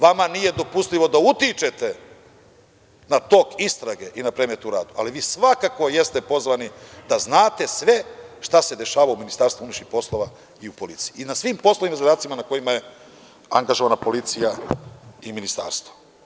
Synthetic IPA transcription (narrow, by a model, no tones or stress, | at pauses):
ʋamanije̞d̪o̞pust̪lʲiʋo̞d̪aut̪it͡ʃe̞t̪e̞ | nat̪o̞kist̪ɾaɡe̞ʔinapɾe̞me̞t̪uɾaːd̪uʔa̰liʋiːsʋakako̞je̞st̪e̞po̞zʋanid̪aznaːt̪e̞sʋe̞ʃt̪ase̞d̪e̞ʃaːʋaouminist̪aːɾst̪vuuniʃixpo̞slˠo̞ʋa | iupo̞lit̪si̥jiinasʋimpo̞sloʋimazad̪aːt̪simanako̞jimaje̞ | aŋɡaʒo̞ʋanapo̞lit̪sija | iminist̪a̰ːɾst̪vo